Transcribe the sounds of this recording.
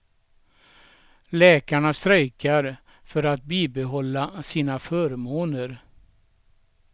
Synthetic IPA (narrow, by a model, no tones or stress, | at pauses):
lɛːkaɳast̪ɾœjkaɾ | fœɾat̪̚biːbɛɦɔlːasiːnafœːɾmoːnəɾ